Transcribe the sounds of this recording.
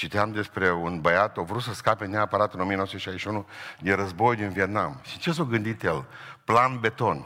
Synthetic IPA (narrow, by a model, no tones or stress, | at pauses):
t͡ʃit̪eamd̪e̞spɾe̞unbəjat̪ovɾut̪səskape̞neapəɾat̪ɨnomienosut̪eʃaizʃiunud̪inɾəzbo̞jd̪inviet̪namʃit͡ʃe̞s̬oɡɨnd̪it̪jelplanbe̞t̪o̞n